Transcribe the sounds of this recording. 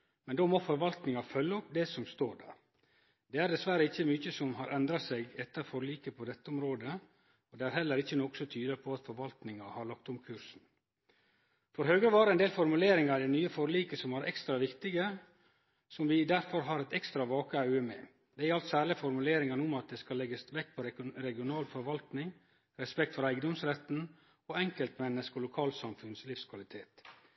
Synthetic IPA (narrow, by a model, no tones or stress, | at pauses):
mɛnd̪oːmɔfɔɾʋɑlt̪nɪŋɑfœlːəɔp̚d̪ɛsɔmst̪oːɾɖæ̰ːɾ | d̪ɛæɾɖ̪ɛsʋæɾəɪçːəmyːçəsɔmhɑɾʔɛnd̪ɾɑsɛɡɛt̪ːəɾfɔɾliːkəpʰɔd̪ɛt̪ːəʊmɾoːd̪ə | ɔd̪ɛæɾɦɛlːəɾɪçːənɔksɔt̪ʰyːd̪əpʰɔɑt̪fɔɾʋɑlt̪nɪŋɑhɑɭɑk̚t̪ʊmkʰʉɾsn̩ | fɔɾɦøːɡɾəʋɑːɾəɛnd̪eːlfɔɾmʉleːɾɪŋɑɾd̪ɛɪnyːəfɔɾliːkəsɔmæɾʔɛ̰kst̪ɾɑʋɪkt̪ɪɡə | sɔmʋɪd̪æɾfɔɾɦɑːɾɛt̪ɛkst̪ɾɑʋɑːkəɑʉəmɛ̰ː | d̪ɛæɾɑlt̪sæːɾɭɪfɔɾmʉleːɾɪŋɑnuːmɑt̪̚d̪ɛːskɑlɛɡəsʋɛkːpʰɔɾɾɛɡɪʊnɑːlfɔɾʋɑlt̪nɪŋ | ɾɛspɛkt̪fɔɾæɪɡəd̪ɔmsɾɛt̪n̩ | ɔɛŋkəlt̪mɛnːəskɔlʊkʰɑːlsɑmfʉnslɪfskʰʋɑlɪt̪ʰeːt̪